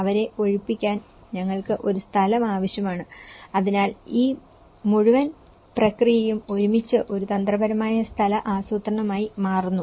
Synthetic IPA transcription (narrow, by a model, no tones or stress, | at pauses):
ɐʋɐɾe̞o̞ɻipːikʲːaːn | ɲɐŋːɐɭkɨʔo̞ɾust̪ʰɐlɐmaːʋɐɕjɐmaːɳɨɐðinaːliː | muɻuʋɐn | prɐkrijɐjumo̞ɾumit͡ɕːɨʔo̞ɾut̪ɐnd̪rɐbɐɾɐmaːjɐst̪ʰɐlɐʔaːsuːt̪rɐɳɐmaːjimaːrunːu